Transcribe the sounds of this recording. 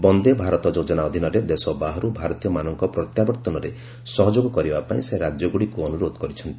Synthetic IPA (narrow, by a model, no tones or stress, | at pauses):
bɔnd̪ebʱaɾɔt̪ɔd͡ʒod͡ʒɔnaɔd̪ʱinɔɾed̪esɔbaɦɔɾubʱaɾɔt̪ijɔmanɔŋkɔpɾɔt̪jabɔɾt̪ɔnɔɾe | sɔɦɔd͡ʒoɡɔkɔɾibapaĩseɾad͡ʒjɔɡuɽikuɔnuɾod̪ɔkɔɾit͡ʃʰɔnt̪i̥